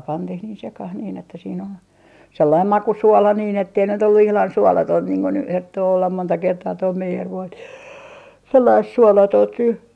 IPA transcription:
pɑntih niːn sekɑh niːn etːæ siːn ol selːɑim mɑkusuolɑ niːn etːei nyt olːu ihlɑn suolɑtoint niːŋ kun ny hertːoː olːɑm montɑ kertɑː toi meijerʋoi selːɑist suolɑtoːnt ny

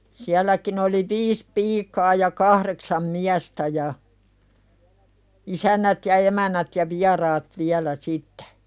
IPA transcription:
siælːækin oli ʋiːs piːkɑː jɑ kɑhreksɑm miæstæ jɑ isænːæt jɑ emænˑæt jɑ ʋiɑrɑːt ʋiælæ sitːe̥

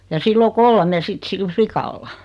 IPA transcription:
jɑ silː o kolme sit sil flikɑlːɑ

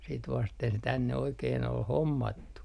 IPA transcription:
sit ʋɑsten se tænːe oikeːn ol homːɑtːu

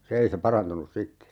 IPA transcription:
se ei se pɑrɑntunus sitːe

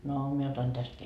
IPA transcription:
no mie otɑn tæst

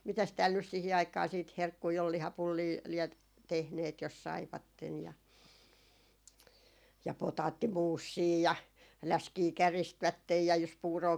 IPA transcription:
mitæs tæːl nys sihi ɑikˑɑː siːt herkːui ol lihɑpulːiː liɛt tehneːt jos sɑiʋɑtːen jɑ jɑ potɑːtːimuːsːiː jɑ læskiː kæristʋætːej jɑ jos puːroː

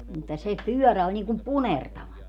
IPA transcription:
mutːɑ se pyœˑræ olʲ niːŋkum punertɑʋɑ

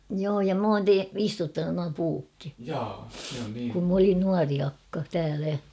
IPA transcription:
joː jɑ m oːn te istutːɑnun nuɑ puːkːi kum m olin nuɑri ɑkːɑ tæːlæ

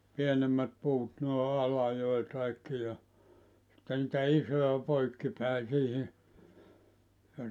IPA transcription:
pienemːæt puːt noe ʔɑlɑjoi kɑikːi jɑ sitːe nitæ isojɑ poikːi pæi siːhi jɑ

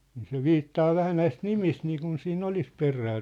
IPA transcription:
niː se ʋiːtːɑː ʋæhæ næist nimist niːkun siːnː olis peræː

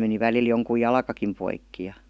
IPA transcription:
meni ʋælil joŋkuj jɑlɑkɑkim poikːi jɑ

